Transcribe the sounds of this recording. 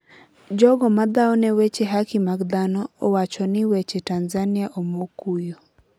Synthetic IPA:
d͡ʒɔɡɔmad̪aɔnɛwet͡ʃeɦakimaɡd̪anɔːwat͡ʃɔnɪwet͡ʃetanzanijaʔomokujo

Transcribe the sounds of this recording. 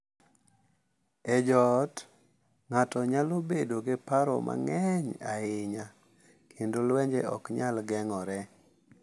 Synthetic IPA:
ɛd͡ʒɔt | ŋatɔɲalobedoɡɪpaɾɔ̰mʔa̰ŋɛɲaɪɲa | kʰendolwɛɲd͡ʒeɔ̰kɲalɡɛŋɔɾɛ

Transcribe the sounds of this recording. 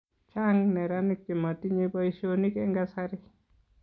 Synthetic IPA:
t͡ʃaŋnɛɾanik̚timatiɲebaiʃonikɛŋɡasaɾɪ

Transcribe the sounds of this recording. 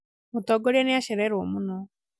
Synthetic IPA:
mutɔɡɔɾianiaɕeɾeɾoːmuno

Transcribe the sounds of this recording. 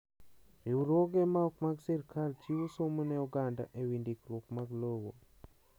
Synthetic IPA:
iwɾwoɡɛmaɔkmaɡsiɾkʰalt͡ʃiwosomonɛuɡanda̰ʔewindikɾwokmaɡlowo

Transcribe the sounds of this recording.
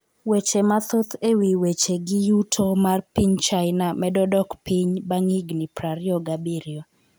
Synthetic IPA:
wet͡ʃemat̪ot̪ʰewiwet͡ʃeɡɪjutʰomarpiɲt͡ʃaɪnamɛdɔdɔkpiɲbaŋiɡnipɾaɾjɔɡabiɾio

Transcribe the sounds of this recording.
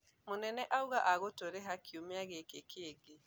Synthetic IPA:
monɛnɛʔauɣaʔaɣotoɾeɦakʰiomeaɣekekʰeːɡe

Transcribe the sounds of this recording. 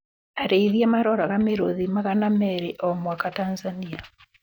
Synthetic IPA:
aɾeiðiamaɾɔɾaɣameɾoðimaɣanamɛɾeʔɔmwakatanzania

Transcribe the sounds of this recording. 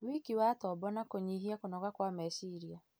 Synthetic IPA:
wikiwatɔbɔnakoɲiɦiakonɔɣakwamɛsiɾia

